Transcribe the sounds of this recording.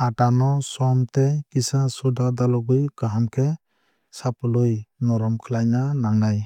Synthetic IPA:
aʈanɔsɔmt̪ɛkisasudad̪alɔɡɯjkaɦamkʰɛ | saplujnɔɾɔmkʰəlajnanaŋnaj

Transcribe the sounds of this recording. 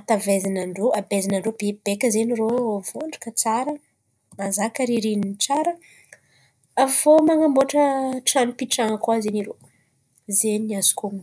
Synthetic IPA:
at̪avezinaɳɖ͡ʐoʔabezinaɳɖ͡ʐob̥eb̥ekəzeniroovoɳɖ͡ʐḁkət͡saɾə | azakəɾiɾinint͡saɾə | avomaŋamboʈ͡ʂəʈ͡ʂanipiʈ͡ʂaŋəkuazeniɾo | zenazu̥kuŋ

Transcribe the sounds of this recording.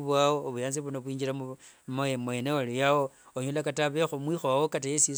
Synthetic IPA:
βwawoβujaːnziβunoβwiːɲd͡ʒiɾammemwenewalijawooɲolakataβexomwixowawokatajesi

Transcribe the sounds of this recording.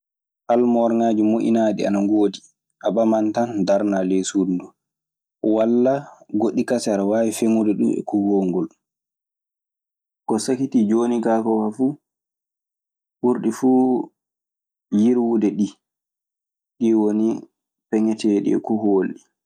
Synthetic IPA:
ʔalmɔɾŋaːd͡ʒimoʔḭnaːɗḭa̰naŋɡoːdi | ʔaɓamantandaɾnalesudndu | walːaɡoɗːikasaɾawaːwifemudɛɗumɛ̰kuhoːŋɡɔl | kɔsakitid͡ʒoːniɡakɔwafu | ɓuɾɗifu | jiɾwudɛɗi | ɗiwoni | pɛŋɛtɛɗḭɛ̰kuholɗi

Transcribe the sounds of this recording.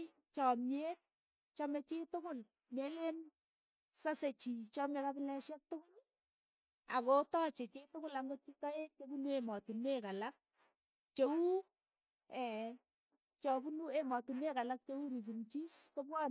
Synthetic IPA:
t͡ʃɔmje | t͡ʃɔmet͡ʃɪtʊkʊl | melen | saset͡ʃit͡ʃɔmɛbabɪlɛsɛk̚tʊkʊl | akotɔt͡ʃet͡ʃɪtʊkʊlaŋɡot͡ʃitɔet̚t͡ʃobunuemɔtunekalak̚ | t͡ʃou | ɛ | t͡ʃɔbunuemɔtunekalak̚t͡ʃouɾipuɾit͡ʃiskopwa

